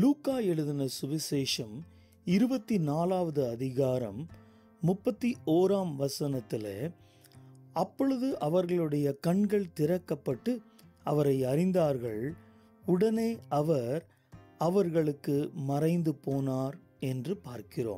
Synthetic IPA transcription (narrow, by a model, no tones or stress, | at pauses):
luːkaːɛɻɯðɪnɐsʊʋɐseːʂɐm | ɪɾɯbɐt̪ːinaːlaːʋɐðɯɐðɪɣaːɾɐ̰mː | ʊpːɐt̪ːiʔoːɾaːmʋɐsɐnɐt̪ːɪlḛ | ɐpːɔɻɯðɯʔɐʋɐɾɣɐɭɯɽɐjɐkɐɳɡɐɭt̪ɪɾɐkːɐpːɐʈːɯ | ɐʋɐɾɐɪɐɾɪnd̪aːɾɣɐɭ | ʊɽɐneːʔɐʋɐɾ | ɐʋɐɾɣɐɭɯkːɯmɐrɐɪnd̪ɯpoːnaːɾ | ɛndrɯpaːɾkɪro̰ːm